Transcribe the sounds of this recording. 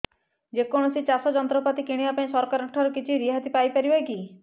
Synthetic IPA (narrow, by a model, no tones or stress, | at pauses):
d͡ʒekɔɽ̃ɔsit͡ʃasɔd͡ʒɔnt̪ɾɔpat̪ikiɽ̃ibapaĩsɔɾkaɾakʈʰɔɾɔkit͡ʃʰiɾiɦat̪ipajpaɾibaki